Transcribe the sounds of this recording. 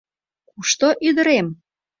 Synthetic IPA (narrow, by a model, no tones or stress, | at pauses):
kuʃt̪oʔyd̪ə̆ɾem